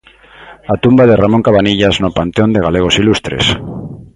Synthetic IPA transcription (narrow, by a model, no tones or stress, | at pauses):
at̪umbaðe̞ramo̞ŋkaβaniʎaznopant̪eo̞nd̪e̞ɣ̞ale̞ɣ̞o̞silust̪ɾe̞̰s